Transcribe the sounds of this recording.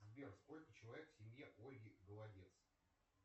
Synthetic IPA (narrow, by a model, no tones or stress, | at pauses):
zbʲersko̞lʲkət͡ɕɪlˠɐvʲe̞kfsʲɪmʲjeʔo̞lʲɡʲɪɡəlˠɐdʲe̞t̪s